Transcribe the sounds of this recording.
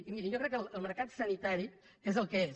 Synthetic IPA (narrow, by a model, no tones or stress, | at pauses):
imiɾiʒokɾɛkːəlˠəlˠməɾkat̪sənit̪aɾi | ezəlˠkəe